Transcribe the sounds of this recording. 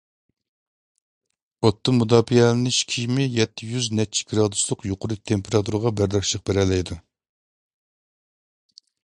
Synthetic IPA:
ot̪ːɨmud̪ɑːpijɛlɪnɪʃkʲʰijmɪjɛt̪ʰːɪjyznɛt͡ʃʰi̥ɡɾɑːd̪uslˠʊqjoqʰʊɾɨt̪ʰempʰeɾɑt̪ʰuɾɨʁɑbæɾd̪ɛkʲʃəq̚beɾɛlɛjd̪u

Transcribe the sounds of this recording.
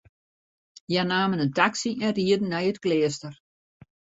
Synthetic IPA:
janaːmənəntaksiʔɛnriədn̩ːɛjətkleːstər

